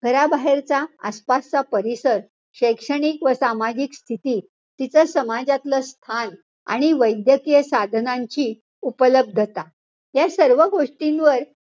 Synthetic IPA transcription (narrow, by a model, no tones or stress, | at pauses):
ɡ̥ʱəɾabaɦeɾt͡sa̰ːspast͡sapəɾisəɾ | ɕəjkʂəɽ̃ikʋəsamad͡ʑikst̪ʰit̪iː | t̪it͡səsəmad͡zat̪ləst̪ʰan | a̰ɽ̃iʋəjd̪jəkijəsad̪ʱənãɲt͡ɕiː | upələb̚d̪ʱət̪a | ɦjasəɾʋəɡoʂʈinʋəɾ